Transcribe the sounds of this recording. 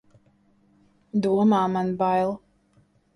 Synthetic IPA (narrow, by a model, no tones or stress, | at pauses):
d̪uɔmaːmanbajlˠ